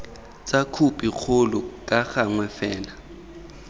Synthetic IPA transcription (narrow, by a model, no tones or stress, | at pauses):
t͡sʼakʰupʼik͡xʰʊlʊkʼaɣaŋwɛfɛːna